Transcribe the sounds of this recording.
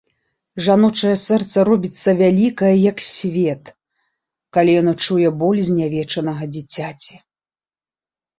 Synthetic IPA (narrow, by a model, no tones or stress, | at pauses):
ʐanɔt͡ʂɐjɛsɛrt̪sɐɾɔbʲit̪sːɐvʲalʲikɐjɐjɐksʲvʲɛt̪ | kalʲijɔnɔt͡ʂujɛbɔlʲzʲnʲavʲɛt͡ʂɐnɐɣɐd͡zʲit͡sʲat͡sʲi̥